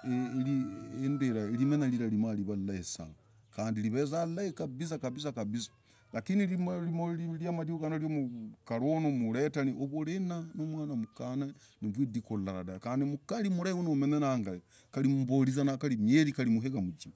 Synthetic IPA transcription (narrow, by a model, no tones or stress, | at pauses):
eliendeɾaeɾimenaliɾaɾimaliβalaesa̰ | kaːndiliβezalaekaβis̬akaβis̬akaβisḁ | lakinilimlimoiljamaɾihoɡanoɾjomukaɾonomuɾetaniʔoβuɾenanomwaːnamukana | niβwidikolaɾa̰dakaːndimukalimuɾaiwonoumenenaŋɡaje | kaɾimumboɾizanakaɾimjeɾikalimuɦeɣamud͡ʒima